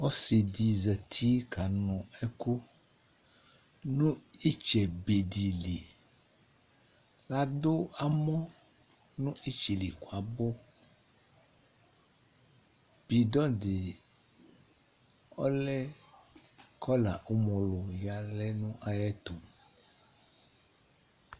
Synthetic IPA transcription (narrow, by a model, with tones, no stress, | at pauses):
o˦si˨d̪i˨zɛ˨t̪ʰi˦ka˨nɔ̃˨ɛ˦ko˦ | nũ˦i˦t͡ʃɛ˨be˨d̪i˨li˨ | la˨d̪o˦a˨mɔ̃˦ | nũ˦ʔi˦t͡ʃi˨li˨ko˨a˨bo˦ | b̥i˨dɔ˦di˨ | ɔ̰˦lɛ˦ | kʰɔ˦la˨ʔo˦mõ˨lo˨ja˨lɛ˦nũ˦ʔa˦jɛ˦t̪o˨m